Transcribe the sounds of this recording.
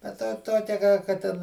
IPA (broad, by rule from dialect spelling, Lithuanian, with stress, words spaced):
bʲɛt ˈtɑː ˈtoːkʲɛ kɑː kɐ ˈtʲɛn